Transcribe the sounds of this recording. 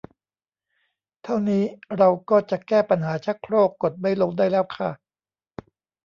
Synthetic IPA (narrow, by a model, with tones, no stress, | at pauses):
t̪ʰa˥˩wniː˦˥ɾa˧wkɔː˥˩t͡ɕa˨˩kɛː˥˩pa˧nɦaː˩˦t͡ɕʰa˦˥kʰɾoː˥˩kːo˨˩t̪̚ma˥˩jlo˧ŋdaː˥˩jlɛː˦˥˩wkʰa˥˩